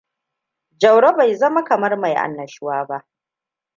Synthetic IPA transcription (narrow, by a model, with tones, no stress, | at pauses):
d͡ʒɐ˨wɽo˦ba˨jzɐ˦ma˦kɐ˨mɐ˦rma˨jʔa̰˨nːɐ˨ʃʊ˦waː˦ba˦ʔ